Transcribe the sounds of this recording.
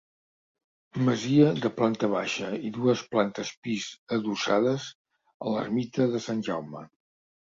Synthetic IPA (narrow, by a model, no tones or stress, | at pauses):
məziəðəplant̪əβ̞aʃəiðuəsplant̪əspizəðusaðəz | ələ̰rmit̪əðəsanʲʒawmə̰